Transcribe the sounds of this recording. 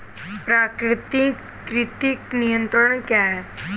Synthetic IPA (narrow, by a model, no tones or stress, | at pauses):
pɾaːkɾɪt̪i | kɾɪt̪ɪknijə̃nt̪ɾəɽ̃kjaɦɛː